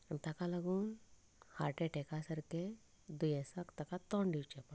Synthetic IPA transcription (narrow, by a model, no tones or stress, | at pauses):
əmt̪akalaɡuːn | ha̰ɾʈeʈekasəɾke | d̪ujɛsəkt̪akat̪ɔɳɖiwt͡ɕepa